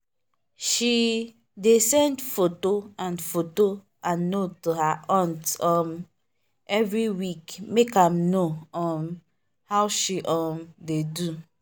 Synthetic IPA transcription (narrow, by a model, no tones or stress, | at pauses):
ʃi | desɛ̃ndfotoãnfoto | ãnːotohaʔɔ̃ntɔ̃m | ɛvɹiwikmekãmnoɔ̃m | hawʃiʔɔmdedu